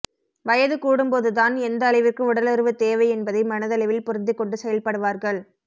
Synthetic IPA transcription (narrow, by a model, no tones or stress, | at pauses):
ʋɐjɐðɯkuːɽɯmpoːðɯt̪aːnɛnd̪ɐːlɐɪʋɪrkɯʊɽɐlɐɾɯʋɯt̪eːʋɐɪɛnbɐðɐɪmɐnɐðɐlɐɪʋɪlpʊɾɯnd̪ɪkːɔɳɖɯsɛjɐlpɐɽɯʋaːɾɣɐɭ